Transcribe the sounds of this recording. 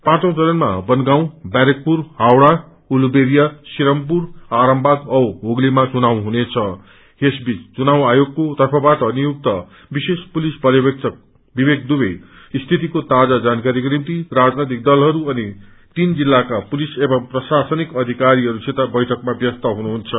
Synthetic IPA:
pãt͡sʌ̃t͡sʌnʌnma̰bʌnɡaw̃baɾek̚purhawɽa | ulubeɾijasiɾʌmpuraɾʌmbʱad̪ʌwɦoɡlimat͡sunaw̃ɦunet͡sʰʌ | hesbit͡st͡sunaw̃ajoɡkot̪ʌrpʰʌbaʈʌnijuk̚t̪ʌ | bisespulisbʌljebk̚ʌk̚ | bibeɡ̚d̪ube | st̪ʰit̪ikot̪ad͡zad͡zankaɾikrimt̪irad͡znʌjt̪ik̚d̪ʌlɦʌɾuʌni | t̪ind͡zilːakapulisebʌmprʌsasʌnikʌd̪ʱikaɾiɦʌɾusʰet̪abʌjʈʰʌkmabjʌst̪ʌɦunuɦunt͡sʰʌ

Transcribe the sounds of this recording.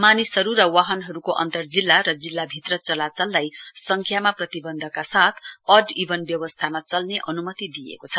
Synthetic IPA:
manisɦʌɾuɾʌwaɦʌnɦʌɾukoʔʌ̰nt̪ʌrd͡zilːaɾʌd͡zilːabʱit̪rʌt͡sʌlat͡sʌlːajsʌŋkʰjamaprʌt̪ibʌnd̪ʱʌkasat̪ʰʌɖibʌnbjʌbʌst̪ʰamat͡sʌlneʔʌnumʌt̪id̪ijḛkot͡sʰʌ

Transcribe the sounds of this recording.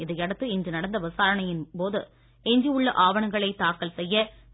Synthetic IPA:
ɪðɐɪɐɽɯt̪ːɯɪndrɯnɐɽɐnd̪ɐʋɐsaːɾɐɳɐjɪnpoːðɯ | ɛɲd͡ʒiɯɭːɐʔaːʋɐɳɐŋɡɐɭɐɪt̪ːaːkɐlsɛjːɐ

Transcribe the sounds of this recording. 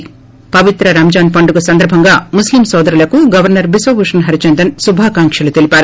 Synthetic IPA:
pɐʋit̪ɾɐɾɐmd͡ʒaːnpɐɳɖuɡɐsɐnd̪ɐɾbʱɐŋɡaːmuslimsɔːd̪ɐɾulɐkuɡɐʋɐɾnɐɾbisʋɐbuʂɐnɦɐɾit͡ʃɐnd̪ɐnsubʱaːkaːŋkʂɐlut̪elipaːɾu

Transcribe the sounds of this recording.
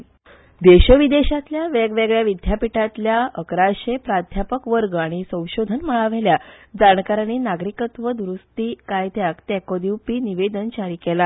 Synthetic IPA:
d̪eɕəʋid̪eɕat̪ljaʋeɡʋeɡɭjaʋid̪ʱjapiʈat̪ljaəkɾaɕepɾad̪ʱjapəkʋəɾɡaɽ̃isə̃w̃ɕod̪ʱənməɭaʋeljad͡zaɳkaɾaninaɡɾikət̪ʋəd̪ɾust̪iːkajt̪ʰeakt̪ɛkod̪iwpiːniʋed̪ənt͡ɕaɾiːkɛla

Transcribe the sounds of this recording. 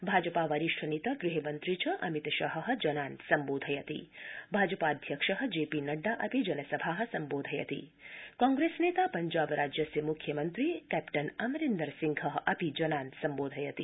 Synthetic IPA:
bʱaːd͡ʒɐpaʋɐɾiʃʈʰɐnit̪ɐɡɾiɦɐmɐnt̪ɾit͡ʃʰɐʔɐmit̪ɐʃɐɦɐɦə̆d͡ʒɐnaːnt̪sɐmboːd̪ʱɐjɐt̪ḭbʱaːd͡ʒəpaːd̪ʱjɐkʂɐɦɐ̆d͡ʒeːpinɐɖːaʔɐpid͡ʒɐnɐsɐbʱaːɦɐ̆sɐmboːd̪ʱɐjɐt̪ḭkãːŋɡɾesneːt̪apɐɲd͡ʒaːbɾaːd͡ʒjɐsjɐmukʰjɐmɐnt̪ɾikɛpʈɐnɐmɐɾend̪əɾsiŋɡʱɐɦʔɐpid͡ʒɐnaːnt̪sɐmboːd̪ʱɐjɐt̪i

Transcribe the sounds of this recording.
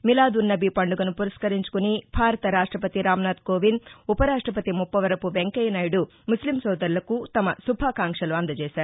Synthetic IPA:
milaːd̪unːɐbipɐɳɖuɡɐnupuɾɐskɐɾiɲt͡ʃu̥kunibʱaːɾɐt̪ɐɾaːʂʈɾɐpɐt̪iɾaːmɐnaːd̪koːʋinupɐɾaːʂʈɾɐpɐt̪imupːɐʋɐɾɐpuʋeŋkɐjnaːjiɽu | muslimsɔːd̪ɐɾlɐkut̪ɐmɐsubʱaːkaːŋkʂɐluɐnd̪ɐt͡ʃɛːʃaːɾu

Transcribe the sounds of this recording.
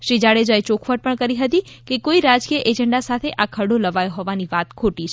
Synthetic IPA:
ʃɾid͡ʒaɽed͡ʒaet͡ʃokʰʋəɖ̚pəɳkəɾiɦət̪ikekoiɾad͡ʒkijəʔed͡ʒəɳɖasat̪ʰeʔakʰəɽoləʋajoɦoʋaniʋat̪kʰoʈiʃ

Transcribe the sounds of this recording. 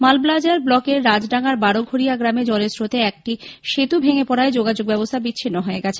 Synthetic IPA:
malblad͡ʑaɾblɔkeɾːad͡ʑɖaŋaɾbaɽoɡʱoɾijaɡɾamed͡ʑɔlesɾot̪eɛk̚ʈiʃet̪ubʱeŋepɔɽaed͡ʑoɡad͡ʑoɡ̚bɛbost̪ʰabitːɕʰinːoɦoeɡɛt͡ɕʰe̥

